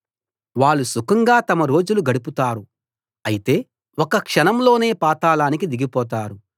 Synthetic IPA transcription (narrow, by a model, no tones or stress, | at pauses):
ʋaːɭːusukɐŋɡaːt̪ɐmɐɾo̞ːd͡ʒuluɡɐɽiput̪aːɾu | ɐjit̪e̞ː | ɔkɐkʂɐnɐmlo̞ːne̞ːpaːt̪aːlaːnikid̪iɡipɔːt̪̬aːɾu